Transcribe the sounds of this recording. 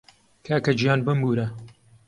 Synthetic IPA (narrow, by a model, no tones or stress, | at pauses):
kʰaːkɐd͡ʒijaːnbɨmbuːɾɐ